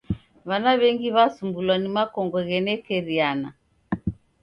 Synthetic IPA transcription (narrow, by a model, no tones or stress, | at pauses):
βanaβɛŋɡiβasumbulwanimakɔŋɡɔɣɛnɛkɛɾiana